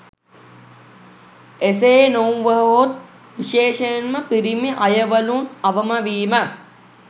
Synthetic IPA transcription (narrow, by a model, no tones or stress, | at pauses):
eseːnounʋəɦəɦot̪̚ | ʋiʃeːʃəjənməpiɾimeʔɐjəʋəlunɐʋəmaʋiːmə